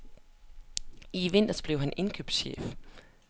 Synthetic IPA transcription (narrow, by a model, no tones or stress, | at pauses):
iʋe̝n̰d̥ɐsb̥leʊɦæne̝nkʰyb̥d̥ɕḛːf